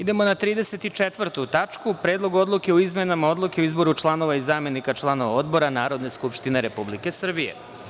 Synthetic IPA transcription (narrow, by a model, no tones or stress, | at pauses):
id̪e̞mo̞nat̪ɾiːd̪ese̞t̪it͡ʃet̪ʋr̩t̪ut̪at͡ʃkupɾe̞ːd̪lˠo̞ɡo̞d̪lˠuke̞oizmenamao̞d̪lˠuke̞oizbo̞ɾut͡ʃlˠano̞ʋaizaːme̞nikat͡ʃlˠano̞ʋao̞d̪bo̞ɾanaːɾo̞d̪ne̞skupʃt̪ine̞ɾe̞publike̞sr̩bijḛ